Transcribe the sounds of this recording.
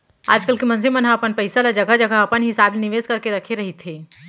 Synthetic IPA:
a̰ːd͡ʒkəlkemɐ̃ns̬imənɦaɐpənpɐɪsalad͡ʒɐɡad͡ʒɐɡaɐpənɦɪsaːblenɪʋeːzkɐɾkeɾɐkʰeɾɐɦit̪ʰeː

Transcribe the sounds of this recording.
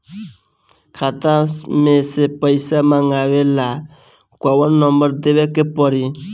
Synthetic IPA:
kʰat̪ãmẽsepəjsamaŋɡaʋela | kawənːɔmbəɾd̪ewekepɔɾi

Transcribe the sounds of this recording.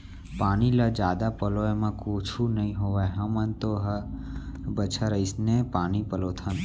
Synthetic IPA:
paɽ̃ilad͡ʒad̪apəloemãkot͡ʃʰunəɦĩɦoʋaɦə̃mə̃nt̪oɦa | bət͡ʃʰaɾəisnepanipəlot̪ʰən

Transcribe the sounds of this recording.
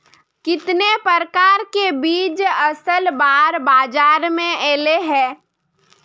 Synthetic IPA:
kɪt̪nepəɾəkaːɾkebiːd͡ʒəsəlbaːɾbaːd͡ʒaːɾmẽeːleɦɛ̃ː

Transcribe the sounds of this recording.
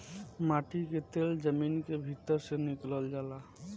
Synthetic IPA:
maʈiket̪eld͡ʒəminkebʱit̪əɾsenikləld͡ʒala

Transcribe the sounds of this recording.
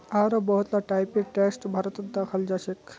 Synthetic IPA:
aɾəbəɦut̪laʈajpiʈesʈbʱaɾət̪əd̪akʰald͡ʑaɕek

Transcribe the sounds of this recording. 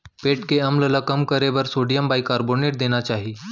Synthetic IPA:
peʈkeəmləlakəmkəɾeʋəɾsoɽijəmbajkːaɾboneʈ̚d̪eñat͡ɕaɦi

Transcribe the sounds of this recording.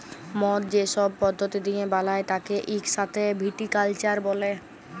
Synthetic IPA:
mɔt̪̚d͡ʑeʃɔbpɔd̪ʱːot̪id̪iebalaet̪akeʔikʃat̪ʰebʱiʈikalt͡ɕaɾbɔle

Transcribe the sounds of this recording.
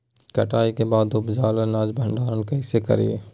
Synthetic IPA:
kɐʈaːikebaːd̪ʊbd͡ʒaːlənaːd͡ʒbʱə̃ɳɖaːɾənkɛːsekɐ̰ɾḭḛː

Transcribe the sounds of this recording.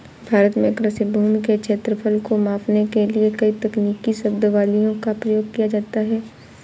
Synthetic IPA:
bʱaːɾət̪mẽkɾəsɪbʱuːmikekʃʰeːt̪ɾəpʰəlkomaːfnekeliekɐit̪ɐkniːkiʃɐb̚d̪ʋaːlijõkapɾɐjoːɡ̚kijad͡ʒaːt̪aɦɛː

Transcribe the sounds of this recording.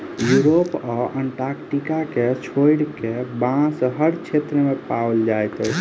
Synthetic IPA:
juɾopaʔəɳʈaɾkʈikaket͡ʃʰojɽkebãsɦəɾt͡ʃʰet̪ɾəmepawld͡ʒajt̪ə

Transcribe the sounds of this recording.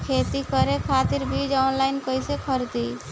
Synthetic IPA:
kʰet̪ikəɾekʰat̪iɾbʱid͡ʒɔnlajnkəjsekʰəɾt̪i

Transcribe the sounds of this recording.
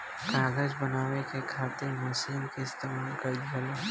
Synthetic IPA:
kaːɡəd͡ʒbɐnaːʋekekʰaːt̪eɾmɐʃiːnkeɪst̪eːmaːlkɐd͡ʒʱəle

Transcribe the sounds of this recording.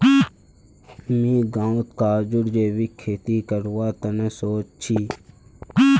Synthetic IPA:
mĩːɡãːot̪kaːd͡ʒʊɽd͡ʒeːwikʰːeːt̪iːkəɾwaːt̪ənẽsoːt͡ʃt͡ʃʰiː

